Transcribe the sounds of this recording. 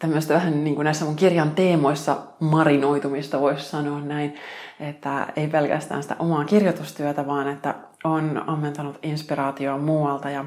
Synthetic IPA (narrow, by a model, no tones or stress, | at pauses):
t̪æmːøsest̪æʋæhænniːŋkunæisːæmuŋkirjɑnt̪eːmoisːɑ | mɑrinoit̪umist̪ɑʋoissɑnoːnnæinet̪ːæeipelkæ̰st̪æ̰ːnsi̥t̪æ̰ʔomɑːkirjot̪ust̪yæt̪æʋɑːnet̪ːæ̰ | onɑmːent̪ɑnut̪inspirɑːt̪ioɑmuːwɑlt̪ɑjɑ